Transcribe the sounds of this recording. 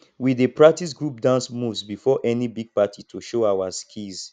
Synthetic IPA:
widepɹak̚tis̬ɡɹup̚dãnsmuvsbifɔʔɛnibiɡ̚patitʰuʃoawaskʰiz

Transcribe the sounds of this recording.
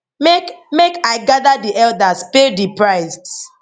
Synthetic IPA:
mekmekaɪɡaðadiʔɛldaspedipɹaɪsd

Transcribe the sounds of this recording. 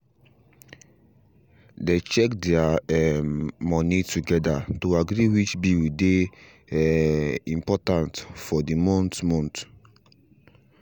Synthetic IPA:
det͡ʃɛkdɛaɛmɔnituɡɛdatoaɡɾiwit͡ʃbiwide | ĩmpɔtãntfɔdimɔ̃ntmɔ̃nt

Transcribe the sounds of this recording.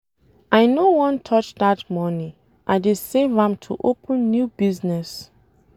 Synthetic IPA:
aɪnowɔ̃ntʰɔt͡ʃdatmɔnĩ | ʔaɪdesevãmtʰṵʔopʰə̃nːjubiznɛs

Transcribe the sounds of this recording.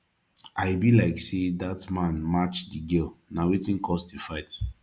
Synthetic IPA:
aɪbilaɪksedatmãnmat͡ʃdiɡɛlnawitĩnkʰɔsdefaɪt

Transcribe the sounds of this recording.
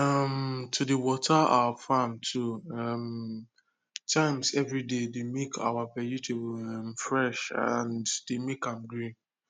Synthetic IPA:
amtʰudewɔtʰaa̰wafãmtʰuam | tʰãɪ̃msɛvɹidedemekʰa̰wapɛjitʰebmfɹɛʃã̰nddemekãmɡɾĩn

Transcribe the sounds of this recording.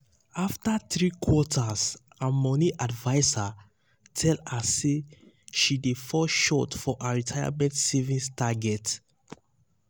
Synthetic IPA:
aftaθɹikʰwɔtʰas | amɔniʔadvaɪsa | tʰɛlasːe | ʃidefɔʃɔtfɔʔaɹitʰaja̰mɛ̃ntsevĩstʰaɡɛt

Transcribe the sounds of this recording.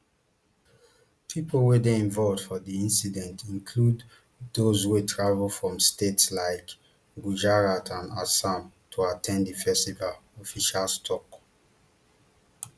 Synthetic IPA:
pʰipolwedeĩɱvɔlvd̥fɔdiĩnsidɛ̃ntĩnkʰlud | dozwetʰɹavlfɹɔ̃mstetslaɪk | ɡud͡ʒaɹatʰãna̰sãm | tʰuatʰɛ̃ndifɛstivalɔfiʃalstʰɔk

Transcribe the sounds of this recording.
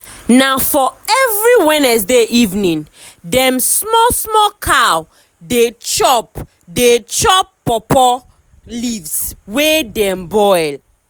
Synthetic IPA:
naʊfɔɛvɹiwɛnɛsdeʔivnĩn | dɛ̃msmɔsmɔkʰaw | det͡ʃɔp | det͡ʃɔpːɔpɔ | livswedɛ̃mbɔɪl

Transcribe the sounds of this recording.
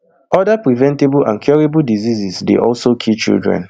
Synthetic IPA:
ɔdapɹivɛ̃nteblʔã̰nkʰjɔɹibuldizizisdḛʔɔlsokʰit͡ʃḭldɹɛ̰̃n

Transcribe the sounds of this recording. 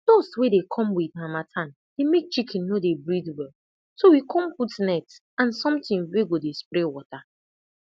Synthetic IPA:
d̥oswedekʰɔ̃mwidmamatʰãn | demek̚t͡ʃikʰɛ̃nːodebɹidwɛl | sowikʰɔ̃mputnɛkts | ãnsɔ̃mtɪ̃ŋweɡodespɾewɔta

